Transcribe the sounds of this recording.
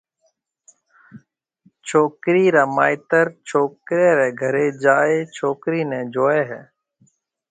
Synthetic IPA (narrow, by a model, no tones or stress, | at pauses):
t͡ʃʰoːkɾiːɾaːmaːɪt̪əɾt͡ʃʰoːkɾeːɾɛːɡʱəɾeːd͡ʒaːeːt͡ʃʰoːkɾiːnɛ̃ːd͡ʒoːeːɦɛː